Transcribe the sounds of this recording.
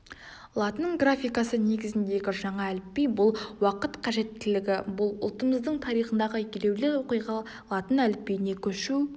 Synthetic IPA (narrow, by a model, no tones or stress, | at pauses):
lˠɑt̪ənəɴɡrafʲijkɑsəne̞ɡʲɪzɪnd̪e̞ɡʲɪʒɑɴɑælɪpːe̞jbʊlˠwɑqət̪qʰɑʒe̞t̪ːɪlɪɡʲɪbʊlˠʊ̰lˠt̪əməzd̪əɴt̪ʰɑɾijχənd̪ɑʁəkʲele̞wlɪwo̞qijʁɑ | lˠɑt̪ənælɪpːe̞jne̞kʲʰɵʃu